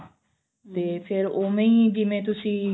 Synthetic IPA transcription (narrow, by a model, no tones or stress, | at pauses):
t̪eːpʰɪɾoːmẽiːd͡ʒɪmẽːt̪ʊsĩː